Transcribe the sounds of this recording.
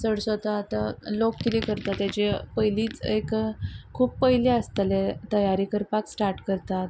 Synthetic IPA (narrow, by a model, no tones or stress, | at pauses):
səɽsət̪aːt̪alokːit̪ekəɾt̪at̪jat͡ɕepəɦjliːt͡sekkʰuːppːəɦleəst̪əlet̪əjaɾiːkəɾpaksʈaɾʈkəɾt̪at̪